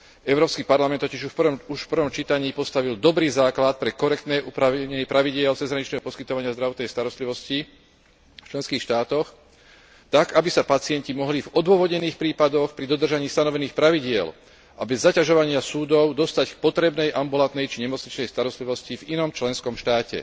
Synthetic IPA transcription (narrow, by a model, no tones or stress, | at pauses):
ɛʊɾɔːpskipaɾlamɛnt̪ɔciʒupuʃfpr̩ʋɔmt͡ʃiːt̪aɲiːpɔst̪aʋild̪ɔbɾiːzaːklat̪̚pɾɛkɔɾɛkt̪nɛːʔupɾaʋɛɲpɾaʋiɟɪɛlt͡sɛzɦɾaɲit͡ʃnɛːɦɔpɔskit̪ɔʋaɲɪazd̪ɾaʋɔt̪nɛjst̪aɾɔst̪liʋɔsci | ft͡ʃlɛnskiːxʃt̪aːt̪ɔx | t̪aɡabisapat͡sɪɛɲcimɔɦlivɔd̪ʊɔʋɔɟɲɛniːxpɾiːpad̪ɔxpɾid̪ɔd̪r̩ʒaɲiːst̪anɔʋɛniːxpɾaʋiɟɪɛl | ʔabɛzːacaʒɔʋaɲɪasuːd̪ɔʊd̪ɔst̪ack̚pɔt̪ɾɛbnɛjʔambulant̪̚nɛjt͡ʃiɲɛmɔt͡sɲit͡ʃnɛjst̪aɾɔst̪liʋɔscivinɔmt͡ʃlɛnskɔmʃt̪aːcɛ̰